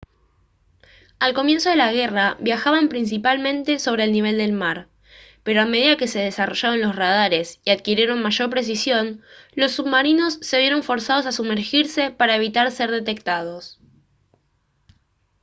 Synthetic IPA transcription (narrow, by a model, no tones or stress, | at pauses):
alko̞mje̞nso̞ð̞e̞laɣe̞raβjaxaβampɾins̬ipalmẽ̞nt̪e̞so̞β̞ɾe̞ːlniβe̞ld̪e̞lmaɾ | pe̞ɾo̞ameð̞iðake̞se̞ð̞e̞saro̞ʃaβonlo̞srað̞aɾe̞siaðkiɾje̞ɾo̞nmaʒo̞ɾpɾe̞s̬isjo̞nlo̞sːuβmaɾino̞sːe̞β̞je̞ɾo̞ɱfo̞ɾsað̞o̞s̬asumeɾxiɾse̞paɾaeβ̞it̪aɾse̞ɾðe̞t̪e̞k̚t̪að̞o̞s